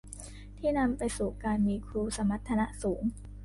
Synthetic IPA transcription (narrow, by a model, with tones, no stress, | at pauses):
t̪ʰiː˥˩na˧mpa˧jsuː˨˩kaː˧nmiː˧kʰɾuː˧sa˧˦ma˦˥t̪ʰːa˧na˦˥ʔsuː˩˦ŋ